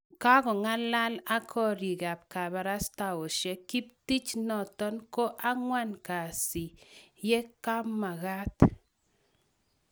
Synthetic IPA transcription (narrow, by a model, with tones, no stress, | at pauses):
ka˦ɡɔ˨ŋa˦la˦la˦kʰɔ˦˨ɾi˨ɡa˨p̚ka˨ba˨ɾa˦sta˨o˨ʃɛ˦ki˦p̚ti˦t͡ʃnɔ˨tɔ˦nko˦ʔa˦ŋwa˦nka˨si˨jɛ˦ka˦ma˨ɣa˦t